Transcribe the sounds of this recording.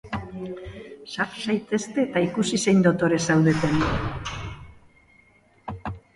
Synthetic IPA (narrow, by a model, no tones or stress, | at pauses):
saɾsajt̪e̞st̪e̞t̪aikusise̞jnd̪o̞t̪o̞ɾe̞sawðe̞t̪en